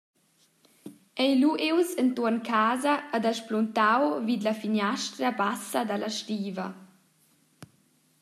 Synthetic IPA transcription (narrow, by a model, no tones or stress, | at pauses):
ɛjluʔewsənt̪ɔnkʰaːzaːd̪aʃplunt̪awvid̪lafiɲaʃt̪ɾabasad̪alʔaʃtiːvɐ̰